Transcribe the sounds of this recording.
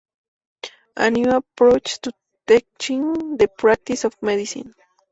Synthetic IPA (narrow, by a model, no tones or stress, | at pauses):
ʔã̰njuapɹot͡ʃt̪u | t̪ɛk̚t͡ʃĩŋd̪əpɹak̚t̪isɔfmɛd̪isḭ̃n